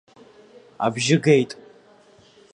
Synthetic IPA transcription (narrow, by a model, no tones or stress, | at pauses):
a̰bʒɪɡejtʼ